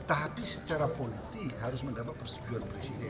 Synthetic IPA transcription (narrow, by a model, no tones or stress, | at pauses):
t̪apisət͡ʃaɾapolit̪ɪkhaɾʊsməndapat̪̚pərst̪ud͡ʒuanpɾesidɛ